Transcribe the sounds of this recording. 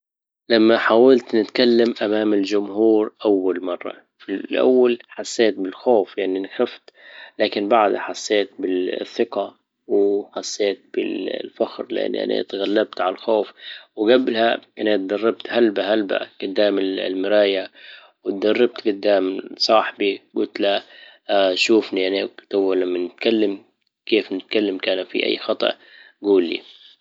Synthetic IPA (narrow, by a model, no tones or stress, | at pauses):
lamːaħaːwalt̪nɪt̪kalːamʔamaːmɪld͡ʒʊmhuːɾʔawːalmɑrˤːɑ̰ | filʔa̰wːalħasːeːt̪̚bɪlxoːfjaʕninxaft̪laːkɪnbaʕd̪haħasːeːt̪̚bɪθːɪqa | wɪħasːeːt̪̚bɪ̰llfaxɾlɪʔa̰nːʔa̰nʔa̰t̪ɣalːab̚t̪ʕalalxoːfwɡablhaʔanat̪̚d̪ɑrˤːɑb̚t̪halbaɦalba̰ɡ̥ʊd̪ːaːmɪllmɪɾaːja | wɪt̪̚d̪ɑrˤːɑb̚t̪ɡʊd̪ːaːmsˤɑːħbiɡʊlt̪la | ʃuːfniʔanit̪awːalamːanɪt̪kalːam | keːfnɪt̪̚kalːamkaːnfḭʔa̰jːxɑt̪ˤɑ̰ʔ | ɡuːlːḭ